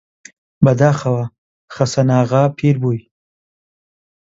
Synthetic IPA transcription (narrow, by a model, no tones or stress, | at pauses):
bad̪ɑːxawa | xasanɑːɣapʰiɾbuj